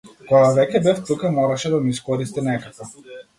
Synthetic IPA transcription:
kɔɡavɛcʲɛbɛft̪ukamɔɾaʃɛd̪amiiskɔɾist̪inɛkakɔ

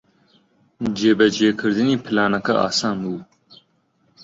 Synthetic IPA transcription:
d͡ʒeːbɐd͡ʒeːkʰɨɾd̪iniːpʰɪlaːnɐkɐʔa̰ːsaːnbuː

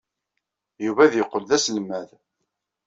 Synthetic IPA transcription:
juvæðjəqːəlðæsəlmæð

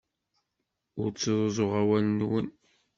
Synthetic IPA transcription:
ʊɾt͡sːəðˤozˤoʁæwælənwən

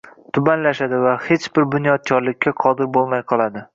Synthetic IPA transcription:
t̪ʰʊbanlaʃad̪ɪvahet͡ʃbɪɾbʊnjɒt̪̚t͡ʃʰɒɾlɪkʲʰːaqʰɒd̪ɪɾbolˠmajqʰɒlˠad̪ɪ

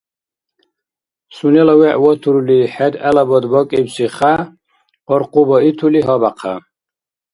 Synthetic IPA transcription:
sunɛlɔwɛʔwɔt̪ʰuɾuliħɛd̪ɛlabɔd̪bɔkʼibsiχa | ɔɾqʼubɔit̪ʰuliɦɔbaqʰa̰

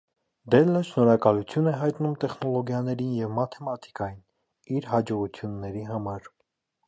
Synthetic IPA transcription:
d̪ɛlːəʃnɔɾɑkɑlut͡sʰjunɛɦɑjt̪numt̪ɛχnɔlɔɡjɑnɛɾinjɛvmɑt̪ʰɛmɑt̪ʰi̥kɑjin | iɾɦɑd͡ʒɔʁut͡sʰjunːɛɾiɦɑmɑɾ

